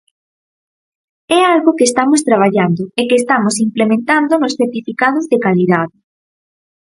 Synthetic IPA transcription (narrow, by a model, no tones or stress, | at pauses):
ɛalɣokeːst̪amʊst̪ɾaβ̞aʎand̪ʊekeːst̪amʊsimplemẽnt̪and̪onʊsθeɾt̪ifikað̞ʊzðekaliðaðɪ